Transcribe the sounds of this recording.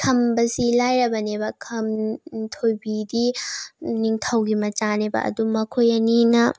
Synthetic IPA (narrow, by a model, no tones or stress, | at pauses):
tʰɐmbɐsilajɾɐbɐnebɐkʰɐmtʰojbidi | niŋtʰɐwɡimɐt͡ʃanebɐ̰ʔɐ̰dumɐkʰojɐninɐ